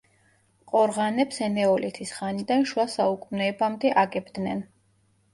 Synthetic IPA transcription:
qʼɔɾʁanɛpsɛnɛɔlit̪ʰisʁanid̪anʃuasaukʼmnɛːbamd̪ɛʔaɡɛbd̪nɛn

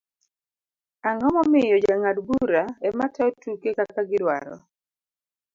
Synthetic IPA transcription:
aŋɔmɔmɪjɔd͡ʒaŋadɡuɾaɛmatɛɔtukekakaɡɪdwa̰ɾɔ̰

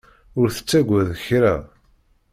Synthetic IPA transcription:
ʊɾθə̥t͡sːæɡʷæðçɾæ

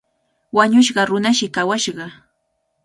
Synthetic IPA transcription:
waɲʊʃ̬ɢɑɾʊnaʃɪkawaʃɢɑ

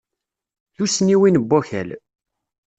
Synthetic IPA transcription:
θusniwinəbːæçæl

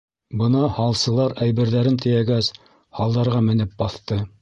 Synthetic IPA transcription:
bɤ̆nɑhɑlˠsɤ̆lˠɑɾæjβɘ̆ɾðæɾɘnt̪ʰɘ̆jæɡæs | hɑlˠd̪ɑɾʁɑmɘ̆nɘp̚bɑθt̪ɤ

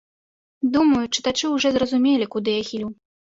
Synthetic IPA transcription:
d̪umɐjut͡ʂɨ̥t̪at͡ʂɨwʐɔzrɐzumʲelʲikud̪ɨjaxʲilʲuw

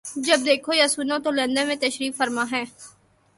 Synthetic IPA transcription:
d͡ʒəb̚d̪eːkʰoːjasʊnõːt̪olẽnd̪əmẽt̪əʃɾiːkfəɾmãːɦɛ̃ː

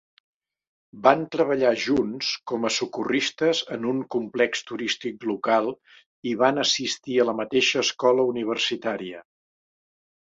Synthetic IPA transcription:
bant̪ɾəβəʎaʒunskɔməsukurist̪əzənuŋkumplɛkst̪uɾist̪ik̚lukalˠ | iβanəsist̪iələmət̪eʃəːskɔləuniβ̞ərsit̪aɾiə

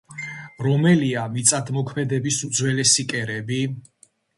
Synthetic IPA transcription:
ɾɔmɛliamit̪sʼad̪mɔkʰmɛd̪ɛbismd̪zwɛlɛsikʼɛɾɛbi

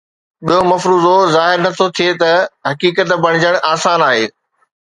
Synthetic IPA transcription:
ɓijomɐfɾuːzozaːɦɪɾnɐt̪ʰot̪ʰijet̪ɐɦɐkiːkət̪bɐɽ̃d͡ʑəɽ̃ʔaːsaːnaːɦeː

